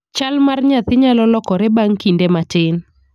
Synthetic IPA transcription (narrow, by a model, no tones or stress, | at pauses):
t͡ʃalmarɲat̪ɪɲalɔlɔkɔɾɛbaŋkindematɪn